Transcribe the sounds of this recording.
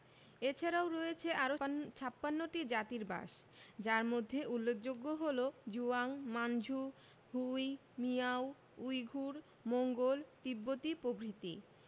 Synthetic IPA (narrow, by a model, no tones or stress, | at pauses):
et͡ɕʰaɾaoɾɔjet͡ɕʰeʔaɾot͡ɕʰapːanːoʈid͡ʑat̪iɾba̰ʃd͡ʑaɾmod̪ʱːeʔulːek̚d͡ʑoɡːoɦolod͡ʑuaŋmand͡ʑʱu | huj | miaw | ujɡʱuɾ | moŋɡolt̪ibːot̪ipobɾit̪i